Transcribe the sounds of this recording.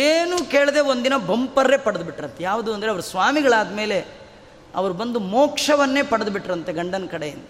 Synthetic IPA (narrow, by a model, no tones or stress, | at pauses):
eːnuːkeːɭd̪e̞ːond̪inɐbʱɐmpɐɾːeːpɐɽɐd̪biʈːɾɐnt̪ejaːʋud̪uɐnd̪ɐɾeɐʋɐɾusʋaːmiɡɐɭaːd̪ɐme̞ːle̞ | ɐ̰ʋɐɾubɐnd̪umoːkʂɐʋɐnːe̞ːpɐɽɐd̪biʈːɐɾɐnt̪e̞ɡɐɳɖɐnɐkɐɽejind̪ɐ